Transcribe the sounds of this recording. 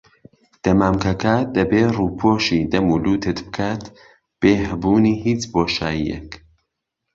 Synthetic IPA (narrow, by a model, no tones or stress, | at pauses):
d̪̥ɐmaːmkɐkaːd̪ɐbeːruːpʰoːʃid̪ɐmuːluːt̪ʰɨt̪bɨ̥kʰaːt̪ | b̥eːɦɨbuːniːhiːt͡ʃboːʃaːjijḛk